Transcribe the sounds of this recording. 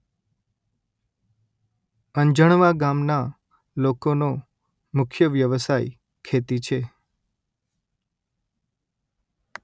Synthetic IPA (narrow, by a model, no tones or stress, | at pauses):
əɲd͡ʒəɳ̃ʋaɡamna | lokono | mʊkʰjəʋjəʋəsaj | kʰet̪it͡ʃʰe